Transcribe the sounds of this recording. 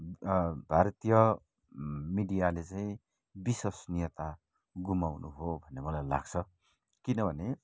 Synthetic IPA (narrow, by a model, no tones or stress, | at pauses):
bʱaɾt̪ijʌ | miɽijalet͡saĩ | bisosnijʌt̪a | ɡumawnuɦobʱʌnːemʌlajla̰ɡt͡sʰʌ | kinʌbʱʌne